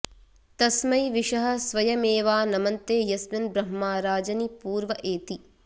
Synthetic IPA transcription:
t̪ɐsmɐjʋiʂɐɦɐ̆sʋɐjɐmeːʋaːnɐmɐnt̪eːjɐsmɐnbɾɐɦmaːɾaːd͡ʒɐnipuːɾʋɐʔeːt̪i

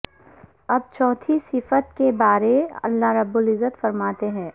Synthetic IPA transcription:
ɐb̚t͡ʃɔːt̪ʰisɪfət̪kebaːɾeɐ̰lːaɦɾɐbːʊlɪzːət̪fɐɾmaːt̪eɦɛ̃ː

